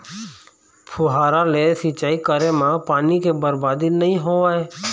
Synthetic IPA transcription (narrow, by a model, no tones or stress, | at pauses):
pʰʊɦaːɾalesit͡ʃaːikəɾemãpaːnikebəɾbaːd̪inɐɦĩɦoaeː